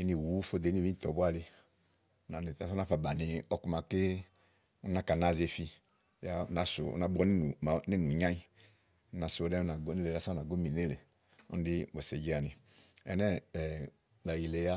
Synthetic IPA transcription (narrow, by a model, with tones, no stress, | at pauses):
i˦ni˨wu˨˦fo˦˨de˨˦ni˦˨vi˦˨tɔ˨bu˦a˦˨li˧˦ | na˨ni˨ta˨sɔ˦na˦fa˨ba˨ni˨ɔ˨ku˨ma˨ki˦ | u˦na˦˨ka˨na˨ze˨fi˧˦ | ja˦˨na˨sṵ˨ṵ˦na˨bɔ˧˦n˦u˨ni˦nu˨ɲã˦i˦ | na˨sdɛ˦na˨ɡne˦le˨a˦sa˦na˨ɡo˦mi˨ne˦le˨ | ɔ̰˦n˦di˦bɔ˨se˨d͡ʒi˦a˨ni˨ | ɛ̰˨nɛ˦˨ | da˨ji˨le˨ja˦